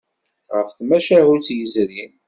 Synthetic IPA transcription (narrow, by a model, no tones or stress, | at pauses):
ʁəfθmæʃæhut͡sːjəzɾin